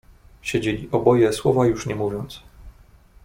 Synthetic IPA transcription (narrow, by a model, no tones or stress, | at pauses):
ɕed͡ʑelʲiʔɔbɔjɛswɔvajuʂɲɛmuvʲjɔnt̪s